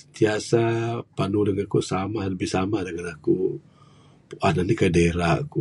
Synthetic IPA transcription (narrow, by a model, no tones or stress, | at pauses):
sənt̪iasapanuləŋakusamahləbɪhsamahdəŋanaku | puʔahnanikadeɾaʔku